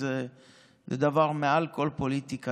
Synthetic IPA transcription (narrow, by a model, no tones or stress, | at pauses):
e | led̪avaʁmealkolpolit̪ika